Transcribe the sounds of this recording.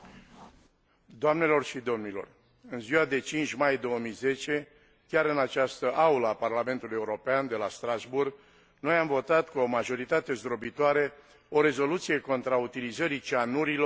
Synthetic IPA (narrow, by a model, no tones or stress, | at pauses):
d̪oamne̞lo̞rʃid̪o̞mnilo̞̰r | ɨnziwad̪e̞t͡ʃint͡ʃmajd̪o̞wəmijze̞t͡ʃe̞ | kʲaɾɨnat͡ʃast̪əʔauləaparlame̞nt̪ulujeuɾo̞peand̪e̞last̪ɾazburɡ | no̞jamvo̞t̪at̪kuo̞maʒo̞ɾit̪at̪e̞zd̪ɾobit̪oaɾe | o̞ɾe̞zo̞lut̪sije̞ko̞nt̪ɾaut̪ilizəɾit͡ʃanuɾilo